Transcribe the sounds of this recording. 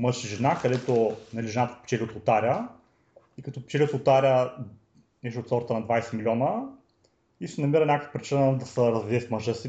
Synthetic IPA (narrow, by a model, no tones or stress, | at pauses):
mɤʃiʒɛnakɐd̪ɛt̪onɐlʲiʒɛnat̪ə̥pi̥t͡ʃɛliot̪ot̪aɾʲə | ikɐt̪ɔpɛ̥t͡ʃɛlʲiot̪ot̪aɾʲə | nɛʃt̪ot̪sɔɾt̪ənɐd̪vajsɛmilʲɔnə | isɛnɐmiɾɐnʲakəfə̥pɾit͡ʃinəd̪ɐsəɾɐzvʲiɛfmɐʒɤsi